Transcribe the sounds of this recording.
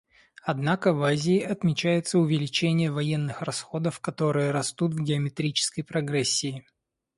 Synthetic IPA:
ɐd̪nakəvazʲɪːʔɐt̪mʲɪt͡ɕæjɪt̪səʊvʲɪlʲɪt͡ɕenʲɪjəvɐjenːɨxrɐsxo̞d̪əfkɐt̪o̞ɾɨjəɾɐst̪ut̪vɡʲɪəmʲɪt̪ɾʲit͡ɕɪ̥skəjpɾɐɡɾɛsʲːɪː

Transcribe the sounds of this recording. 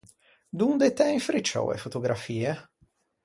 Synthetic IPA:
d̪und̪et̪ɛiɱfɾit͡ʃːɔ̰wḛfot̪oɡɾafiːe

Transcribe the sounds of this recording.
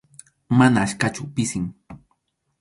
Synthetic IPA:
manaːʃkat͡ʃʊpɪsɪŋ

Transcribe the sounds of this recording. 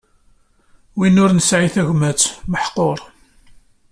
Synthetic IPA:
winʊɾnəsʕiθæʝmæt͡sːməħqːoɾˤ

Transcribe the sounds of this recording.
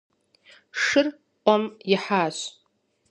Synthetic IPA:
ʂɨr | qʷʼamjɪħaːʃ

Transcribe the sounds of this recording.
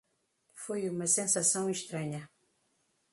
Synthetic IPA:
fojumɐsẽnsasɐ̃w̃iʃt̪ɾɐɲɐ

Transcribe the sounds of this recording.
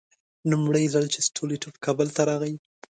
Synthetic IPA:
numɽajzalt͡ʃesʈʰoleʈofkʰɑbəlt̪aɾɑɣaj

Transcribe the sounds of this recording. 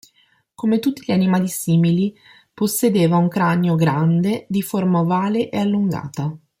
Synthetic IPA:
komet̪ut̪ːiʎanimaːlisiːmili | posːed̪eːvauŋkɾaneoɡɾand̪ed̪iformaovaːleʔealːuŋɡa̰ːt̪a

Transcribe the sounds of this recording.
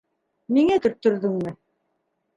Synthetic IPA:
miŋæt̪ɵ̆ɾt̪ːɵ̆ɾðɵŋmɘ

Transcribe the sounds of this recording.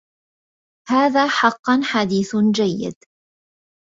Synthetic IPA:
haːðaːħɑqːɑnħad̪iːθd͡ʒajːɪ̰d̪

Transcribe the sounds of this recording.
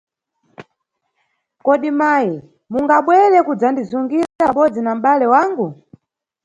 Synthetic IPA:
kɔɗimaji | muŋɡaɓwɛɾɛkud͡zandizuŋɡiɾɛaɓɔd͡zinam̩ɓalɛwaŋɡu

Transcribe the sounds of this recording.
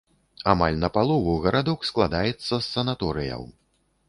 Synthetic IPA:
amalʲnɐpalˠɔvuɣɐɾad̪ɔksklˠad̪ajɛt̪sːɐsːɐnat̪ɔɾɨjɐ̰w

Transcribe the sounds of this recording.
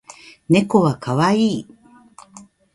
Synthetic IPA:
nekoβakʰawai

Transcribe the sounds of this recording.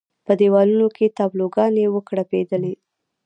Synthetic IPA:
pəd̪ewɑlunokʰet̪ɑbloɡɑnewəkɽaped̪əle

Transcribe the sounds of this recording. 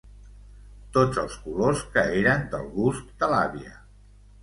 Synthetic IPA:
t̪od͡zəlˠskuloskəeɾənd̪ə̰lˠɣuskd̪əlaβiə

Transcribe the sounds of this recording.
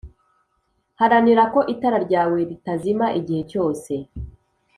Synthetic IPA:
haɾaniɾako̞ʔitaɾaɾɟaːwe̞ɾitazimaʔiɟihe̞co̞ːse̞

